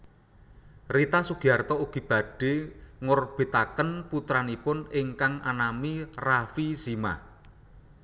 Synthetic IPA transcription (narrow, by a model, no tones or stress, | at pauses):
rit̪asuɡ̥iart̪ɔuɡ̥i̤b̥a̤ɖ̥e̤ŋorb̥e̤t̪akənput̪ɾanipʊnɪŋkaŋʔa̰namirafisima̰